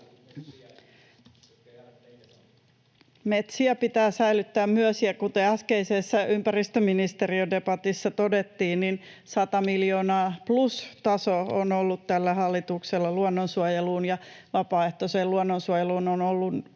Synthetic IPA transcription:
met̪siæpit̪æːsæilyt̪ːæːmmyøsiækut̪eæskeisesːæʔympæɾist̪øminist̪eɾiode̞pɑt̪isːɑt̪odet̪ːiːnninsɑt̪ɑmiljo̞ːnɑːplust̪ɑsoonolːut̪tælːæhɑlːit̪ukselːɑluonːonsuojeluːnjɑʋɑpɑːe̞ht̪oseːlluonːonsuojeluːnonolːun

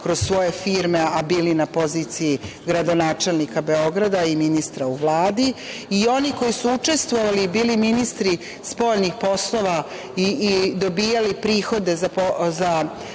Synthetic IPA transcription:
kɾo̞zsʋo̞jefiːɾmeabiːlinapo̞ziːt̪sijiɡɾad̪o̞naːt͡ʃe̞lnikabe̞o̞ɡɾad̪aiminist̪ɾauʋlˠaːd̪iio̞niko̞jisuut͡ʂe̞st̪ʋo̞ʋalibiːliminist̪ɾi | spo̞ːʎnixpo̞slo̞ʋa | iːd̪o̞biːjalipɾiːxo̞d̪e̞zapoza

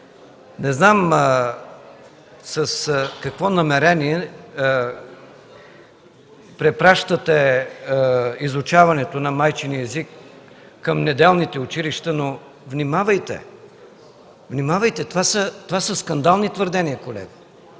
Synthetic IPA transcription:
nɛznam | sɐskɐkvɔnɐmɛɾɛniɛ | pɾɛpɾaʃt̪ət̪ɛ | izʊt͡ʃavɐnɛt̪onɐmajt͡ʃiniɛzikː | ɐmnɛd̪ɛlˠnit̪ɛʊt͡ʃiliʃt̪əno | vnimavɐjt̪ɛ̰ | vnimavəjt̪ɛt̪ovasət̪ovasəskɐnd̪alˠnit̪vəɾd̪ɛniəkolɛ̰ɡə

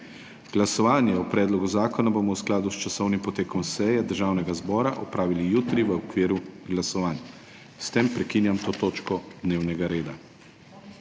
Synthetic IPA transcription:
ɡ̥lasɔʋaːnjɛɔpɾɛːd̪lɔɡuzaːkɔnabomɔwsklaːd̪ust͡ʃasɔwnimpɔt̪eːkɔmsɛjɛd̪əɾʒaːwnɛɡazbɔːɾaʔɔpɾaːʋilijut̪ɾiʋəɔkʋiːɾuɡlasɔʋaːn | st̪empɾɛkiːnjamt̪oːt̪oːt͡ʃkɔd̪neːwnɛɡaɾeːd̪a

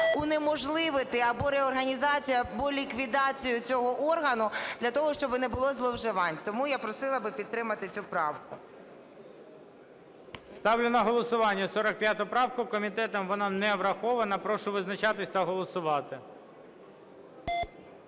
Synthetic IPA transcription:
unemɔʒlˠɪʋɪt̪ɪɐbɔɾeɔrɦɐnʲizɑt͡sʲijɐbɔlʲikʋʲid̪ɑt͡sʲijʊt͡sʲɔɦɔʔɔrɦɐnʊd̪lʲɐt̪ɔɦɔʃt͡ʃɔbɪnɛbʊlˠɔzlˠɔwʒɪʋɑnʲt̪ɔmujapɾɔsɪlˠɐbɪpʲid̪̚t̪ːɾɪmɐt̪ɪt͡sʲupɾɑwkʊ | st̪ɑwlʲɪnɐɦɔlˠɔsʊʋɑnʲːɐsɔɾɐk̚pʲjat̪ʊpɾɑwkʊkɔmʲit̪ɛt̪ɐmʋɔnɑnɛʋɾɐxɔʋɐnɐpɾɔʃʊʋɪznɐt͡ʃɑt̪ɪsʲt̪ɐɦɔlˠɔsʊʋɑt̪ɪ

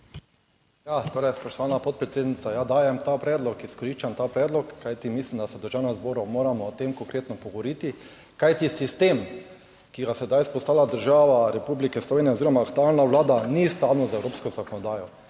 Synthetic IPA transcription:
jat̪oːɾɛjspɔʃt̪ɔʋanapɔt̪̚pɾɛt̪seːd̪nit̪sajad̪aːjɛmt̪apɾɛːd̪lɔkiskɔɾiʃt͡ʃamt̪aːpɾɛːd̪lɔkːajt̪imislimd̪asɛd̪ɔɾʒaːnazboːɾumoːɾamɔːt̪emkɔŋkɾeːt̪nɔpɔɡɔɾit̪i | kajt̪isist̪eːm | kiɡasɛd̪ajspɔst̪aːlad̪əɾʒaːʋaɾɛpublikɛslɔʋeːnijɛoziɾɔmaːkt̪ualnaʋlaːd̪anist̪awnɔzɛwɾoːpskɔzakɔnɔd̪aːjɔ

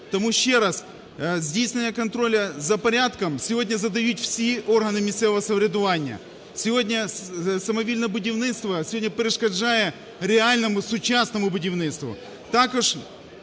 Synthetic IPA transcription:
t̪ɐmuɕːeɾas | zʲdʲejsʲt̪vʲɪnjəkɐnt̪ɾo̞lʲɐzɐpɐɾʲat̪kəmsʲɪvo̞dʲnʲɐzɐd̪ɐjutʲfsʲio̞rɦɐnɨmʲɪsʲsʲɛvɐsɐvɾʲɪd̪ʊvanʲɪjə̰ | sʲɪvo̞dʲnʲɐsɐmɐvʲilʲnɐbʊdʲɪvnɪt̪st̪vɐsʲvo̞dʲnʲəpɾʲɪʂkɐʐajə | ɾʲɪalʲnɐmʊsʊt͡ɕasnəmʊbʊdʲɪvnɪt̪st̪vʊ̰ | t̪akʊʂ

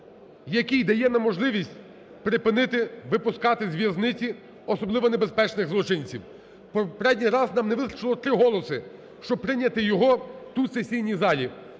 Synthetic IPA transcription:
jɐkʲijd̪ɐjɛnɐmɔʒlˠɪʋʲisʲtʲ | pɾɪpɪnɪt̪ɪʋɪpʊskɑt̪ɪzʲʋʲjɐznɪt͡sʲi | ɔsɔblˠɪʋɔnebe̞spɛt͡ʃnɪɣzlˠɔt͡ʃɪnʲt͡sʲiw | pɔpɾɛdʲnʲijrɑznɑmneʋɪsɾɔ̥t͡ʃɪlˠɔt̪ɾɪɦɔlˠɔsɪ | ʃt͡ʃɔb̚pɾɪnʲːɐt̪ɪjɔɦɔt̪ut̪sesʲijnʲizɑlʲi

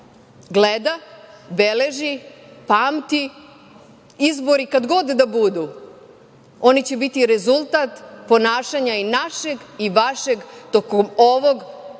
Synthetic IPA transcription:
ɡled̪a | bele̞ʒipaːmt̪i | izbo̞ɾikad̪ɡo̞d̪ːabud̪u | o̞nit͡ɕe̞bit̪iɾe̞zulˠt̪at̪po̞naːʃaɲainaʃe̞ɡiʋaʃeɡt̪okomo̞ʋo̞ɡ

